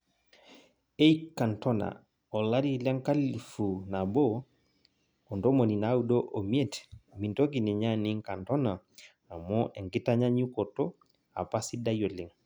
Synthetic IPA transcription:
e˦jka˨nto˦na̰˨ | o˨la˦ɾi˦la˦ŋka˦li˨fu˨na˨bo˦ | o˨ndo˦mo˨ni˨na˦wu˦do˦ʔo˨m˦e˦tmi˨nto˦ɡi˨ni˨ɲa˦ni˦ŋka˨ntɔ˦na˨ | a˨mɔ˦ʔe˨ŋɡi˦ta˦ɲa˦ɲu˦ko˨to˦ | a̰˨pa˦si˦da˦jo˨li˨ŋ

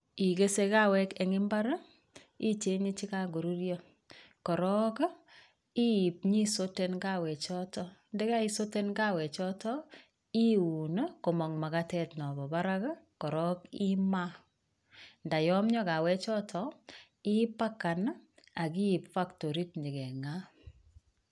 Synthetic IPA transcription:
i˨ke˦se˦ka˦wɛ˦ke˨ŋɪ˦mba˦ɾ | i˦t͡ʃe˦ɲi˦t͡ʃi˦ka˦ɡo˨ɾu˦ɾjɔ | kɔ˨ɾɔ˦k | i˦i˨p̚ɲi˦so˦tenɡa˦wɛ˨t͡ʃɔ˦tɔndɛ˦ka˦i˨so˦te˦nka˦wɛ˨t͡ʃɔ˦tɔ˦ | i˦u˨nko˨mɔ˨ŋma˨katɛ˦tnɔ˨bɔ˨ba˦ɾa˦k | kɔ˨ɾɔ˦ki˦ma˦ | nda˨jɔ˦mɲɔ˦ka˨wɛ˦t͡ʃɔ˦tʰɔ | i˦pa˦ka˨na˨ki˦i˨pfa˦kto˨ɾi˦tɲi˨kɛ˨ŋa˦

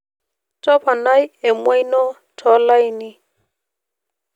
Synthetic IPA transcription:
tɔ˦pa˨na˦jɛ˨mwa˦jnɔ˦ | tʰɔ˨˦la˦jnɪ˦

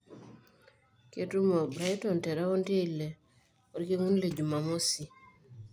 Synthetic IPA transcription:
ke˦tu˦mɔ˨bɾa˦jtɔ˨ntɛ˨ɾa˦o˦nte˦i˨le˨ | o˦ɾke˦ŋu˦nle˨d͡ʒu˨ma˨mo˦si˨

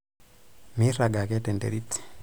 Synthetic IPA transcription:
mi˦ra˨ɡa˨kɛ˦tɛ˨ndḛ˨ɾi˦ti̥

